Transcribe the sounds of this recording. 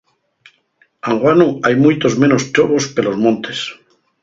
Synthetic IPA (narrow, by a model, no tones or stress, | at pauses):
aŋɡwanuajmujt̪o̞zmẽ̞nost͡ʃoβo̞ske̞lo̞zmõnt̪es